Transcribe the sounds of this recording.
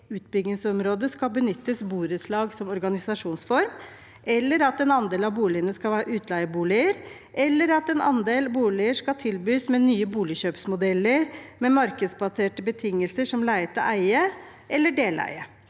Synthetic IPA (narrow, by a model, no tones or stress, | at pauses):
ʉːt̪̚bʏɡnɪŋsɔmɾoːd̪əskɑbənʏt̪ːəsbuːɾəslɑːɡsɔmɔɾɡɑnɪsɑʂuːnsfɔɾm | ʔɛlːəɾɑt̪ɛnɑnd̪eːlɑʋbuːlɪənəskɑlʋæːɾəʔʉːt̪ʰlæɪəbuːlɪəɾ | ʔɛlːəɾɑt̪ɛnɑ̰nd̪eːlbuːlɪəʂkɑt̪ʰɪlbyːsmɛnyːəbuːlɪɕøːpsmʊd̪ɛlːəɾmɛmɑɾkəd̪sbɑseːʈəbət̪ʰɪŋːəlsəʂɔmlæɪt̪əʔæɪə | ʔɛlːəɖeːlæ̰ɪə